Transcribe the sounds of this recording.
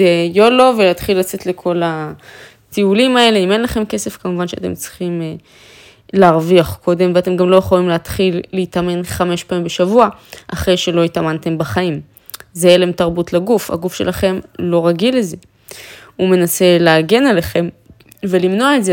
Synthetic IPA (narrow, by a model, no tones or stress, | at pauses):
ejoloveleːt̪χilːat͡se̞tle̞kʰo̞la | tiulimae̞leime̞nlaχe̞mke̞se̞fkamuvanʃeat̪e̞mt͡si̥χim | leːʁviaχko̞de̞mveate̞mɡamlo̞jeχolimleatχilːeitame̞nχame̞ʃpaimbe̞ʃavuaʔaχʁe̞jʃe̞lo̞itamante̞mbaχaim | zeelemtaʁbutlaɡufa̰ɡufʃelʔaχe̞mlo̞ʁaɡilːeze̞ | ume̞nase̞leaɡe̞nale̞χe̞m | ve̞limno̞aeze